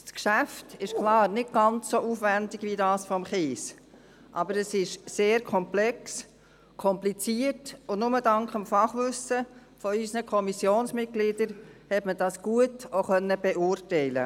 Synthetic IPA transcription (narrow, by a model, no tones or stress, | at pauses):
skʃæftɪʃklɑːɾnɪt̚ɡ̥ɑnt͡sːoʔuːfʋændɪɡ̥ʋidɑːsfɔmχeːs | ʔɑ̰bəɾəsɪʃseːɾkʰɔmplɛks | kʰɔmplit͡siətʊnnʊmədɑŋkχəmfɑχʋʏsəfɔysnəkʰɔmisjoːnsmɪt̚ɡ̥lid̥əɾhɛtməd̥ɑsɡ̥uətoχœnːəb̥ɛʔʊːrtɛɪlə̰